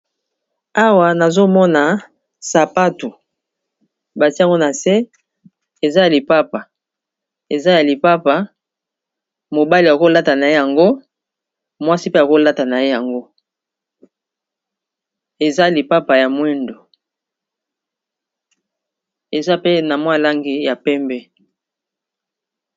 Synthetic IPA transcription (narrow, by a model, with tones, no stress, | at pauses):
a˦wa˨na˨zo˦mɔ˦na˨ | sa˨pa˦tu˨ | ba˨ti˦a˦˨ŋɡo˦na˨se˦ | e˨za˦a˨li˨pa˦pa˨ | e˨za˦ja˨li˨pa˦pa˨ | mo˨ba˦li˨a˨ko˦la˦ta˨na˨je˦ja˨ŋɡo˦ | mwa˦si˦pe˦a˨ko˦la˦ta˨na˨je˦ja˨ŋɡo˦ | e˨za˦˨li˨pa˦pa˨ja˨mwi˦ndo˨ | e˨za˦pe˦na˨mwa˦˨la˦ŋɡi˨ja˨pɛ˦mbɛ˦